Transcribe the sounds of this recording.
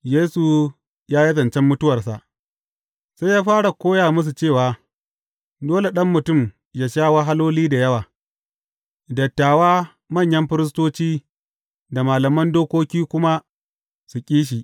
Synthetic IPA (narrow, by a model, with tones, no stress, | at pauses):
jeː˦su˨ | jaː˦ji˦zɐ˨nt͡ʃɛ˦mːʊ˦tʊ˦wɐ˨rsa˨ʔ | sa˦jaː˦ɸaː˦ɽa˨kʷoː˦jaː˨mʊ˦s̬u˨t͡ʃeː˦˨waː˨ | doː˦le˨ɗɐ˦mːʊ˨tʊ˦˨m | jaː˨ʃaː˦wa˦ɦa˦loː˦liː˦da˨jɐ˦waː˨ | dɐ˨tːaː˨waː˦ | mɐ˦˨ɲjɐ˦mɸɪ˦ɾɪ˦s̬toː˦t͡ʃiː˦ | da˨maː˨lɐ˨mɐ˦ndoː˦kʷoː˦kʲiː˦kʷʊ˦ma˦ | su˨kʲʼiː˦ʃ̬i˨ʔ